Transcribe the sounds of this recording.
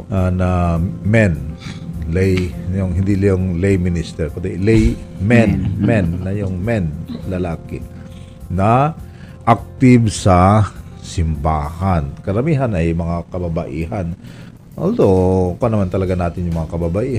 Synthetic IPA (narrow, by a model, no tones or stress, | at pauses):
anɐmɛn | lɛjnjʊŋɦɪnd̪ilɐjʊŋlejmɪnɪst̪ɛɾkod̪ɛlɛjmɛnmɛnːɐjʊŋmɛnlɐlaːkɪ | nɐ | ʔak̚t̪ɪbsɐ | sɪmbaːhankɐɾɐmiːɦɐnʔɐjmɐŋakɐbabɐʔiːɦan | ʔo̰ld̪okonɐmant̪ɐlɐɡanaːt̪ɪnjʊŋmɐŋakɐbabɐʔiː